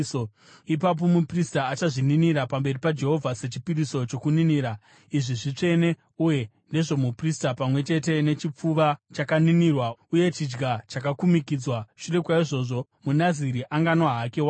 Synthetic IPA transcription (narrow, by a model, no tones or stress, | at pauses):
o | ipap̬o̞mupristaːt͡ʃaʐininiɾapambe̞ripad͡ʒe̞ɦo̞vʱase̞t͡ʃi̥piɾiso̞t͡ʃo̞kuniniːɾa | iʐiʐit͡ʂe̞ne̞ | uje̞ | nde̞ʐo̞mupristapamwe̞t͡ʃe̞te̞ne̞t͡ʃip͡fuʋat͡ʃakaninirwauje̞t͡ʃid͡ʒɡat͡ʃakakumikid͡zwaʃure̞kwaiʐo̞ːʐo̞ | munaziɾiʔaŋɡanwaɦakewa